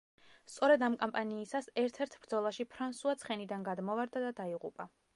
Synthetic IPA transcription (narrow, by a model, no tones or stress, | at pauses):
st̪sʼɔɾɛd̪amkʼɔmpʼaniːsasɛɾt̪ʰɛɾt̪ʰbɾd̪zɔlˠaʃipʰɾansuat̪sʰχɛnid̪anɡad̪mɔvaɾd̪ad̪ad̪aiʁṵpʼa